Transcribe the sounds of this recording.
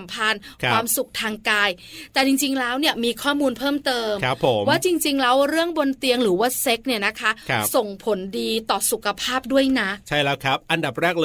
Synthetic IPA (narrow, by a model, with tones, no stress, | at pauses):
mpʰa˧nkʰwwaː˧msu˨˩k̚t̪ʰaː˧ŋkaː˧jt̪ɛː˨˩t͡ɕi˧ŋt͡ɕi˧ŋlɛː˦˥wni˥˩ɐmiː˧kʰɔː˥˩muː˧npʰɤː˥˩mt̪ɤː˧ma˦pʰːo˩˦mwaː˥˩t͡ɕi˧ŋt͡ɕi˧ŋlɛː˦˥wɾɯ˥˩əŋbo˧nt̪i˧əŋɾɯː˩˦waː˥˩se˦˥k̚ni˥˩ɐna˦˥kʰa˦˥˦so˨˩ŋpʰo˩˦ndiː˧t̪ɔː˨˩su˨˩kʰa˧pʰaː˥˩p̚du˥˩əjna˦˥ʔt͡ɕʰa˥˩jlɛː˦˥kʰɾa˦˥p̚ʔa˧nda˨˩p̚ɾɛː˥˩k̚lː